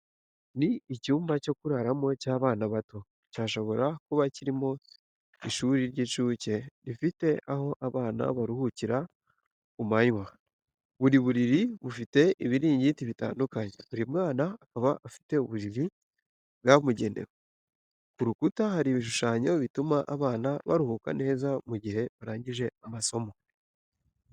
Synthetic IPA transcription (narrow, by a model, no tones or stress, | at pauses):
niːcuːmbaco̞kuɾaɾamo̞caːβaːnaβato̞ | caːʃo̞βo̞ɾakuβaciɾimo̞ | iʃuɾiɾɟet͡ʃuːce̞ɾifite̞aho̞ʔaβaːna̰βaɾuhuciɾa | umaɲwa | βuɾiβuɾiɾiβufite̞ʔiβiɾiːɲɟitiβita̰ːndukaɲḛβuɾimŋaːnaːkaβaafi̥te̞uβuɾiɾi | βɡamuɟe̞ndḛwo | kuɾukutahaɾiβiʃ̬uʃaːɲo̞βitumaʔaβaːnaβa̰ɾuhuka̰ne̞ːzamuɟihe̞βaɾaːɲɟiʒe̞amaso̞mo̞